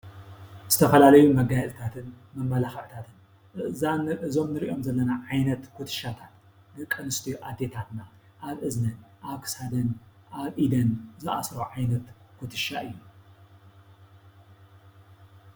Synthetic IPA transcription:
zɨ̥t̪ʰɐfɐlalɐjumɐɡajɛlt̪ʰat̪ʰɨn | mɐmːɐlaxɐʕt̪ʰat̪ʰɨn | ɨʔɨzanɨzo̞mnɨɾiʔo̞mzɐlːɐnaʕajnɐt̪kʰut̪ʰɨ̥ʃat̪ʰat̪ | nɨkʼːɨnɨst̪ʰiʔad̪e̞t̪ʰat̪na | ʔaβʔɨznɐnʔaβkʰɨ̥shad̪ɐnʔaβʔid̪ɐnzɨʔa̰sɾoʕajnɐt̪kʰut̪ʰɨʃaʔɨjːu

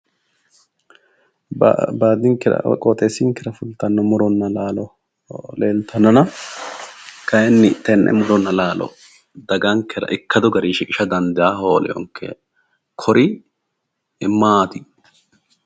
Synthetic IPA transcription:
b̰baːd̪iŋkːɪɾɐ̰kʼɔt̪ʼeːsːiŋkːɪɾɐfʊlt̪ɐnːɔmʊɾɔnːɐlaːlɔ | leːlt̪ʰɐnɐnɐ | kɐjɛnːɪt̪ːɛnːʔɛ̰mʊɾɔnːɐlaːlʔɔ̰ | d̪ɐɡɐŋkːɛɾɐ̰ʔɪkːɐd̪ɔɡɐɾiːʃɪkʼɪʃɐd̪ɐnd̪ɪʔahoːlɛ̰ɪ̰jɔ̰ŋkʰːɛ̰ | kʰɔɾʔɪ | ɪmːaaːt̪ɪ

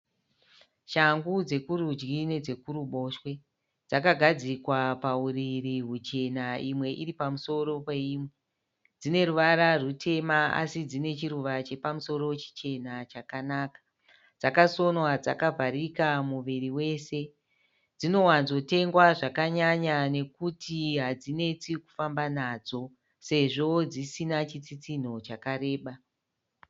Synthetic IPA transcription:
ʃaŋɡud͡ze̞kuɾud͡ʒɡine̞d͡ze̞kuɾuɓo̞ːʃwe̞ | d͡zakaɡʱad͡zikwapauriɾiɦut͡ʃe̞naimwe̞ʔiɾipamuso̞ɾo̞pe̞iːmwe | d͡zine̞ɾuʋaɾarutʰe̞maa̰sid͡zine̞t͡ʃiɾuʋat͡ʃe̞pamuso̞ro̞t͡ʃi̥t͡ʃe̞nat͡ʃakanaːkḁ | d͡zakaso̞nwad͡zakavʱaɾikamuʋiriwe̞se̞ | d͡zino̞wanzo̞te̞ŋɡwaʐakaɲaɲane̞kutiɦad͡zine̞t͡siku̥fambanaːd͡zo̞ | se̞ʐo̞d͡zisinat͡ʃit͡sit͡sin̤o̞t͡ʃakaɾe̞ːɓa

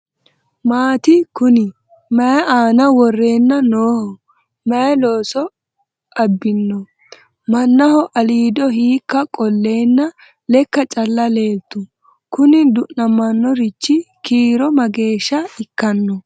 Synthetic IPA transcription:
maːt̪ɪkʊnɪ | mɐjɛʔaːnɐwɔrːe̞ːnːɐnoːhɔ | mɐjɐlo̞ːsɔ | ʔɐbːɪnːɔ | mɐnːɐhɔʔɐliːd̪ɔhiːkːɐkʼɔlːe̞ːnːɐ | lɛkːɐt͡ʃʼɐlːɐle̞ːt̪ːʊ | kʊnɪd̪ʊʔnɐmːɐnːɔɾɪt͡ʃːɪ | kiːɾɔmɐɡe̞ːʃːɐɪkːɐnːɔ

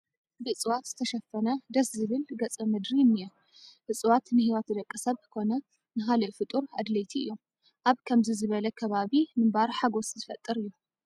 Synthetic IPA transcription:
bɨt͡sʼɨwat̪z̥ɨt̪ʰɐʃɐfːɐnɐd̪ɐszɨβɨlɡɐt͡sʼɐmɨd̪ɾinɨju | ʔɨt͡sʼwat̪nɨhiwɐt̪d̪ɐkʼːɐsɐβkʰo̞nɐ | nɨɦalɐʔfɨt̪ʼuɾa̰d̪lɐjt̪ʰiɨ̰jːo̞m | ʔaβkʰɐmzizɨβɐlɐkʰɐβaβimɨmbaɾħaɡo̞szɨfɐt̪ʼːɨɾɨjːu

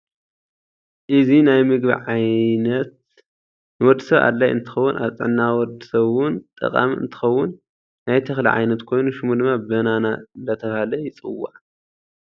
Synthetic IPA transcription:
ʔɨzinajmɨɡbḭʕajnɐt̪̚ | nɨwɔd̪ːɨsɐβa̰d̪lajʔɨnt̪ʰɨ̥xɐwːʊnʔa̰βt͡sʼɨ̰ʕnːawɔd̪ɨsɐβwʊnt̪ʼɨ̰qʼa̰miɨ̰nt̪ʰɨ̥xɐwːʊnː | ajt̪ʰɐxliʕa̰jnɐt̪kʰo̞jnuʃɪmud̪ɨmːabɐnanand̪ɐt̪ʰɐβahalɐjɪt͡sʼɨwːa̰ʕ

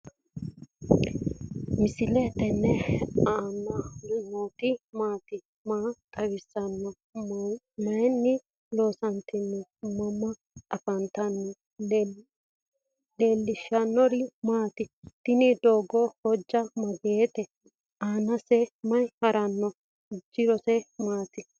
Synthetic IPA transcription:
mɪsɪlɛt̪ɛnːɛaːnːɐmoːt̪ɪmaːt̪ɪ | maːt̪ʼɐwɪsːɐnːɔ | mɐjɛnːɪ | lo̞ːsɐnt̪ɪnːɛmɐmːɐ | ɐfɐnt̪ɐnːɔ | leːlːɪʃːɐnːɔɾɪmaːt̪ɪt̪ɪnɪd̪oːɡɔhɔd͡ʒːɐmɐɡeːt̪ɛ | ʔaːnɐsɛmɐjhɐɾʔɐnːɔ | d͡ʒːɪɾɔsɛmaːt̪ɪ

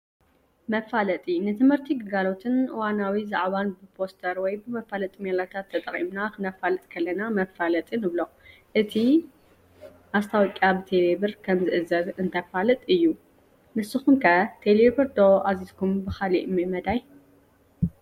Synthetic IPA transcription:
mɐfːalɐt̪ʼinɨt̪ʰɨmhɨɾt̪ʰiɡɨɡalo̞t̪ʰɨnʔɨwanawizaʕβanbɨpʰost̪ʰɐɾwɔjbɨmɐfalɐt̪ʼimelat̪ʰat̪ʰːɐt̪ʼɐχʼḭmnakʰɨnɐfalɨt̪ʼkʰɐlːɐnamɐfːalɐt̪ʼinɨβlo | ʔɨt̪ʰi | ʔast̪ʰawɔkʼjabɨt̪ʰe̞leβɨɾkʰɐmzɨʔɨzɐzɨnt̪ʰɐfalɨt̪ʼɨjːu | mɨsɨxumkʰɐt̪ʰeleβɨɾd̪oʔazizkʰumbɨxalḭʔmɨmɐd̪aj

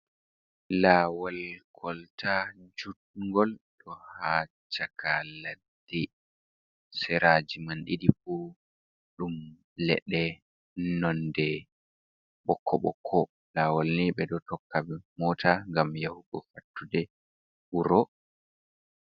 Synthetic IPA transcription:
laːwalkʰɔltad͡ʒut̚ŋɡɔlɗɔhaː | t͡ʃakʰaladdːi | sɛɾad͡ʒimanɗidifu | ɗum | lɛ̰ɗɛ | nɔndɛ | ɓɔkʰːɔ̰ɓɔ̰kʰːɔ | laːwalniɓɛdɔtɔkːabɛmɔːtaŋɡamjahuɡɔfatːudɛ | uɾɔ

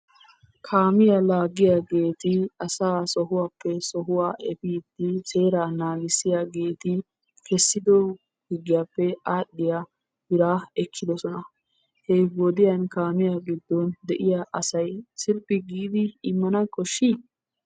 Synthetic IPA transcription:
kʰaːmɪjalaːɡɪjaːɡe̞ːt̪ɪɐsaːsɔɦʊwaːpːɛsɔɦʊwaːʔɛfiːt̪ːɪse̞ːɾaːnaːɡɪsɪjaːɡe̞ːt̪ɪ | kɛsːɪd̪ɔ | hɪɡːɪjaːpːɛaːɗːɪjaː | bɪɾaːɛkʰːɪd̪ɔsɔnɐ | hɛwɔd̪ɪjɐnkaːmɪjaɡɪd̪ːɔnd̪ɛʔɪjaʔɐsɐjsɪɾpːɪɡiːd̪ɪːmːɐnɐkʼɔʃːi

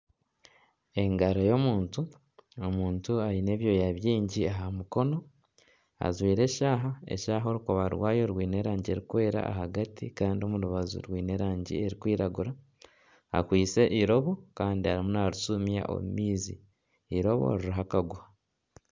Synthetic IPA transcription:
e̞ŋɡaɾojo̞muːntu | omuːntuaɾine̞ːβjo̞jaβjiːɲɟiaɦamuko̞no̞ | a̰zwiːɾe̞ːʃaːɦae̞̰ʃaːɦo̞ɾukoβaɾwaːjo̞ɾwiːne̞ɾaːɲɟie̞ɾikwe̞ːɾa̰a̰ɦaɡatikaːndio̞muɾuβazṵɾwiːne̞ɾaːɲɟḭe̞ɾikwiːɾaɡuɾa | a̰kwiːt͡se̞ʔiɾo̞βo̞kaːndiaɾimunaɾusumja̰ʔo̞̰mṵmiːzḭː | ɾo̞βo̞̰ɾiɾiɦakaɡua

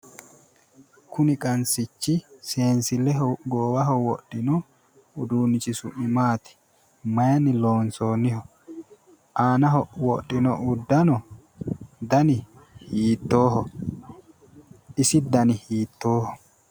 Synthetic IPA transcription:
kʊnɪkʼɐnsɪt͡ʃːɪse̞ːnsɪlɛɦɔɡoːwɐɦɔwɔɗːɪnɔ | ʊd̪uːnːɪt͡ʃɪsʊ̰ʔɪmaːt̪ɪ̥ | mɐjɐnɪlo̞ːnso̞ːnɪhɔ | ʔaːnɐɦɔwɔɗːɪnɔʔʊd̪ːɐnɔ | d̪ɐnɪ | hiːt̪ːo̞ːhɔ | ɪsɪd̪ɐnɪhiːt̪ːo̞ːhɔ

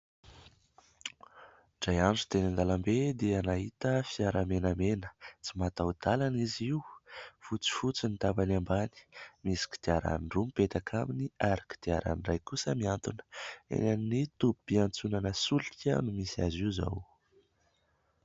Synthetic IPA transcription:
z̥ajand͡zu̥t̪enand̪alambed̪eanaɦit̪əfiaɾamenamenə̥t͡simat̪awd̪alaniziwufut͡si̥fut͡sinit̪abanambani̥misi̥ki̥d̪̥iaɾa̰nɳɖ͡ʐumpet̪akʰaminiaɾaki̥d̪̥eaɾa̰nirajkusəmiant̪unə̥ḛnannit̪upu̥piant͡sunanəsulikʲə̰numisia̰ziza̰w

